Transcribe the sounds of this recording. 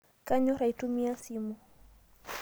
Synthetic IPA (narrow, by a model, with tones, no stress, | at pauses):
ka˦ɲɔ˦ɾa˨itu˦mi˦a˦simu˦